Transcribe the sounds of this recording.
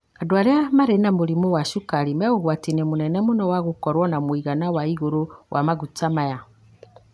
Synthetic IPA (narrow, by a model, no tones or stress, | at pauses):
kadwaɾeamaɾenamoɾimowaʃukaɾimaɣoɣwatinemunɛnɛmonɔwaɣokɔɾwɔnamwiɣanawaiɣoɾowʔamaɣutamaja